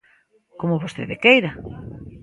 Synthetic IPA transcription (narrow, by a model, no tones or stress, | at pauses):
komʊβost̪ḛðekejɾa